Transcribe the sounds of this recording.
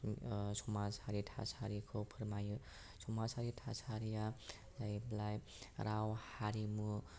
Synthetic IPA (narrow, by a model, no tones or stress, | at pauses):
sʰomad͡zhaɾiʈʰa̰sʰaɾikʰopʰərmaj | sʰomasʰaɾiʈʰa̰sʰaɾija | lajblaj | ɾʔawhaɾimu